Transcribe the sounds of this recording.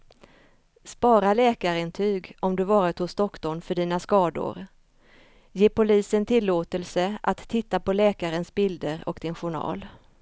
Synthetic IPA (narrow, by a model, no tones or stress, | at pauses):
spɑːɾalɛːkaɾɪnt̪ʰyːɡɔmd̪ɵvɑːɾɪt̪hʊsd̪ɔkːd̪ɔlmfœɖiːnaskɑːd̪ʊ̰ɾ | jeːpʊliːsənt̪ʰɪlːoːt̪əlsəʔat̪ʰːɪt̪ːapɔlɛːkaɾənsbɪld̪əɾɔ̰kd̪̥ɪnɧʊɳɑ̰ːl